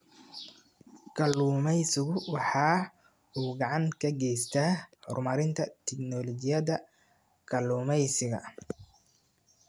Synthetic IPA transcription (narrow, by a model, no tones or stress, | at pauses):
kʰɐluːmɛjsɪɣʊwɑħɑː | uːɡɑʕɑŋkʰɐɡɛjst̪ʰaːhɔ̰rmɐɾɪnt̪ʰɐt̪ʰɪknɔlɔt͡ʃɪjɐðɐ | kʰɐluːmɛjsɪɣɐ̰